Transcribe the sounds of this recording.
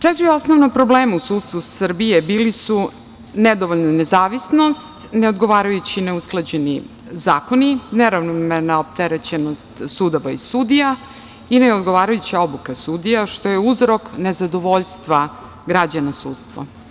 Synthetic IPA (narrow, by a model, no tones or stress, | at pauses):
t͡ʂɛt̪ɾiosnoʋnopɾo̞bleːmausuːt̪st̪ʋusr̩bije̞biːlisu | ned̪o̞ʋoʎnonezaːʋisno̞st̪neo̞d̪ɡo̞ʋaːɾajut͡ɕineusklˠad͡ʑeni | zaːkonineɾavnomenaop̚t̪eɾet͡ɕenost̪sud̪oʋaisud̪ija | inejo̞d̪ɡo̞ʋaːɾajut͡ɕio̞bukasud̪ijaʃt̪o̞jeuzɾo̞kne̞zad̪o̞ʋo̞ʎst̪ʋa | ɡɾad͡ʑanasuːt̪st̪ʋo̰